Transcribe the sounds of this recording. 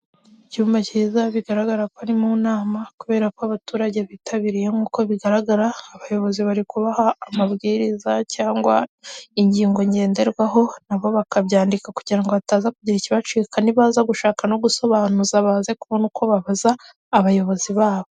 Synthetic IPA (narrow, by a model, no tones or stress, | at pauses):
icuːmbacizaβiɡaɾaɡaɾakwaɾimunaːmakuβe̞ːɾakoaβatuːɾaɟe̞βitʰaβiɾije̞ŋuːko̞βiɡaɾaɡaɾaːβajo̞βo̞ziβaɾikuβahaːmaβɡiːɾizacaːŋɡwa̰iɲɟiːŋɡo̞ɲɟe̞ːnde̞ɾɡwaɦo̞naβo̞βakaβɟaːndikakuɟiɾaŋɡo̞βataːzakuɟiɾiciβat͡ʃikaniβaːzaɡuʃaːkano̞ɡuso̞βaːnuzaβaːze̞kuβonukʰo̞βaβazaː | βajo̞βo̞ziβaːβo